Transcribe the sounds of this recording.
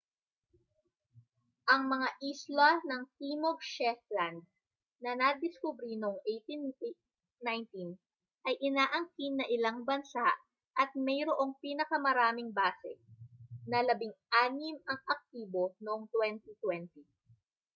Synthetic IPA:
ʔɐŋmɐŋaʔislanɐŋt̪imob̚ʃɛfland̪̚ | nɐnɐd̪ɪskʊbɾinoʔoŋʔejt̪in | najnt̪in | ʔɐjʔɪnaːʔɐŋkinːɐʔɪlaŋbɐnsaʔ | ʔɐt̪̚mɛjɾoʔo̞ŋpiːnɐkɐmɐɾaːmɪŋbaːsɛ | nɐlɐbiŋʔaːnɪmɐŋɐk̚t̪iːbo̞noʔoŋt̪wɛnt̪it̪wɛnt̪i

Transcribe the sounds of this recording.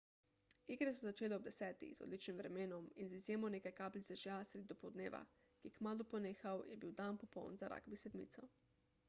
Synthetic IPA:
iɡɾɛsɛzat͡ʃeːlɛɔb̚d̪ɛsɛːt̪ḭzo̰d̪lit͡ʃnimvɾɛmeːnɔminzizjeːmɔneːkajkaːblit̪ɛʒjasɾed̪id̪ɔpɔwd̪nḛːʋa̰ | kiɛkmaːlupɔneːxawjɛbiwd̪anpɔpɔ̰wnzaɾʔa̰ɡbisɛd̪mḭːt̪sɔ

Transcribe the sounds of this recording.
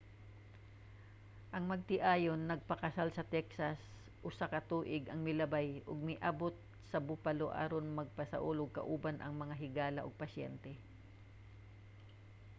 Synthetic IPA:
ʔɐŋmɐɡ̚t̪ɪʔaːjonːɐɡ̚pɐkɐsalsɐt̪ɛksɐs | ʔʊsakɐt̪uːʔɪɡʔɐŋmɪlɐbajʔʊɡ̚mɪʔaːbot̪̚ | sɐbʊpɐloʔa̰ːɾonmɐɡ̚pɐsɐ̰ʔuloɡ̚kɐ̰ʔuːbanʔɐ̰ŋmɐŋaɦɪɡaːlɐʔoɡ̚pɐsɛ̰nt̪ɛ

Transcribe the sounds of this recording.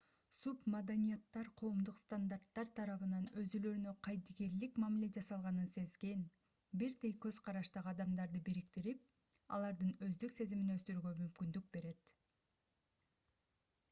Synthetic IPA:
submad̪anʲijat̪ːɑɾqʰo̞ːmd̪uqst̪and̪aɾt̪ːɑɾt̪ʰɑɾɑβɯnɑnø̞zylø̞ɾynø̞qʰɑjd̪iɡe̞ɾlikmamile̞d͡ʒɑsɑlˠʁɑnɯnse̞zɡe̞n | biɾd̪ejkø̞zqʰɑɾɑʃt̪ɑʁɯɑd̪ɑmd̪ɑɾd̪ɯbiɾikt̪iɾip̚ | ɑ̰lˠɑɾd̪ɯnø̞zd̪ykse̞ziminøst̪yɾyɡø̞mymkynd̪yk̚be̞ɾe̞t̪

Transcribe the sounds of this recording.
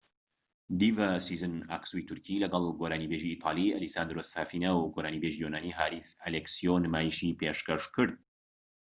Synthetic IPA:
d̪ivasizɨna̰ːksuit̪ʰuɾkʰilɐɡɐlˠɡoːɾaːnibeʒiːt̪ʰɑ̰ːlˠiɐlisaːnd̪ɾosaːfinɐwɡoːɾaːnibeʒijonaːniɦaːɾisɐleksionɨmaːjiʃipeʃkɐʃkɨɾd̪̚

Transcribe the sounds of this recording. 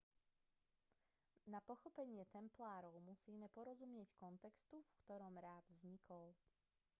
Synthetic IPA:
napɔxɔpɛɲɪɛt̪ɛmplaːɾɔʊmusiːmɛpɔɾɔzumɲɪɛckɔnt̪ɛkst̪ufkt̪ɔɾɔmɾaːd̪vzɲikɔl

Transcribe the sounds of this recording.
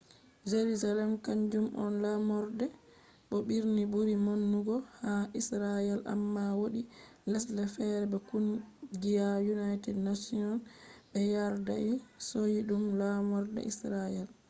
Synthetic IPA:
d͡ʒeɾuzalɛmkaɲd͡ʒumʔɔ̰nlamɔɾdɛ | ɓɔɓiɾnibuɾimonːuɡɔhaʔisɾajɛlʔa̰mːawoɗilɛslɛfɛɾɛbɛkunɡijajunajtɛdnasiɔnɓɛjaɾdaisojiɗumlamɔɾdɛ̰ʔisɾajɛl

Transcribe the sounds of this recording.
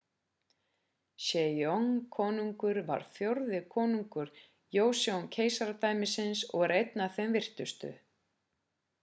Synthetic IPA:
sɛjɔŋkʰɔːnuŋkʏɾva̰ɾ̥θjowɾðɪkʰɔːnuŋkʏɾ̥ | joːwsjowncʰeːjsaɾat̪aːjmɪsɪnsɔ̰ɣɛɾejt̪naθɛmvɪr̥t̪ʏst̪ʏ̰

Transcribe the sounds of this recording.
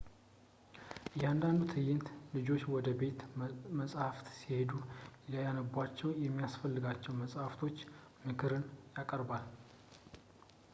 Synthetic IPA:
ʔɨjɛand̪and̪ut̪ʰɨjːɪnt̪lɨd͡ʒo̞t͡ʃːwɔd̪əbe̞t̪məsʼhaft̪sihe̞d̪uləjanəbʷat͡ʃːɛwjɛmːijasfəlːɨɡat͡ʃːɛwməsʼhaft̪ʰo̞t͡ʃː | mɨkʰɨɾɨnjakʼəɾbal

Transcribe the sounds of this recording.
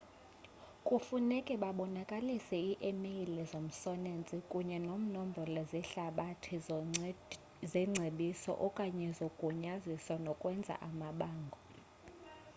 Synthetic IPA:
kʼufunɛkʼɛɓaɓɔnakʼalisɛiʔemeilɛzom̩sɔnent͡sʼikʼuɲɛnom̩nɔm̩bʱɔlɔzɛɬaɓatʰi | zɛŋ͡ǀʱeɓisɔ̰ʔɔkʼaɲɛzokʼuɲaziswanɔkʼwɛnd͡zʱa̰ʔamaɓaːŋɡʱɔ

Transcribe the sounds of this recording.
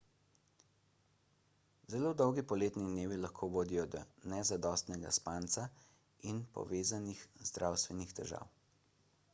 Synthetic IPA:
zɛloːd̪ɔwɡipɔleːt̪nid̪neːʋilaxkʰoːʋoːd̪ijɔd̪ɔnɛzad̪ɔːst̪nɛɡa̰spaːnt̪sa | inpɔ̰ʋeːzanixzd̪ɾʔawst̪ʋɛnixt̪ɛɾʒa̰ːw

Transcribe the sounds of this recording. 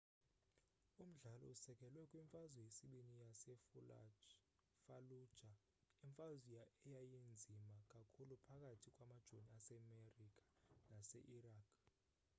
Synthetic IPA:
um̩ɮalɔ̰usɛkʼɛlwɛkʼwiɱfazwɛjesiɓinijasɛfula̰d͡ʒ | falu̥ʒ̥ʱa | iɱfazijaɛjajend͡zʱimakʼakʰulupʰakʼatʰikʼwamad̥ʒ̥ʱoniasɛmerikʼḁnasɛ̰ʔiraːkʰ

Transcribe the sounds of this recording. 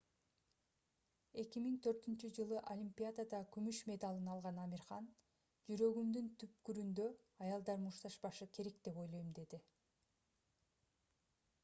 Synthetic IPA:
e̞kimiŋt̪ʰø̞ɾt̪ynt͡ʃyd͡ʒɯlˠɯʔolʲimpʲijad̪ad̪ɑkymyʃme̞d̪ɑlˠɯnɑlˠʁɑnɑmʲiɾχɑn | d͡ʒyɾø̞ɡymd̪ynt̪ʰyp̚kyɾynd̪ø̞ | ɑjɑlˠd̪ɑɾmuʃt̪ɑʃpɑʃɯkʰe̞ɾe̞kd̪e̞po̞jlˠojumd̪e̞d̪i

